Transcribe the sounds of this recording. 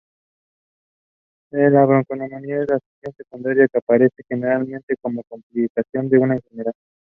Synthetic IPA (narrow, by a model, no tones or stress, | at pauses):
elaβɾoŋkonomomiaðelasiksjo̞nse̞kund̪aɾjakeapaɾe̞se̞xe̞ne̞ɾalmẽnt̪eko̞mo̞komplikasjo̞nd̪e̞unainxeneɾað